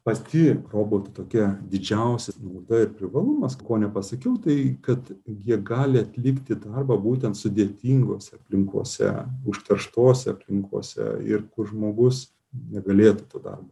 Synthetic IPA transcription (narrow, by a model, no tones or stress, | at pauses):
pɐst̪ʲɪroːboːt̪ɪt̪oːkʲɛd̪ʲɪd͡ʒʲɛʊsʲɛsnɐʊd̪ɐɪɾpʲɾʲɪʋɐlˠʊmɐskoːnʲɛpɐsɐkʲɛʊt̪ɐɪkɐt̪jʲiɛɡɑːlʲɪɐt̪ʲlʲɪkt̪ʲɪd̪ɐrbɐːbuːt̪ʲɛnt̪sʊd̪ʲeːt̪ʲiːŋɡoːsʲɛɐpʲlʲɪŋko̰ːsʲɛ̰ʊʃʲt̪ʲɛrʃt̪oːsʲɛɐpʲlʲɪŋko̰ːsʲɛ̰ɪ̰rkʊrʒmoːɡʊs | nʲɛɡɐlʲeːt̪ʊt̪oːd̪ɐ̰rboː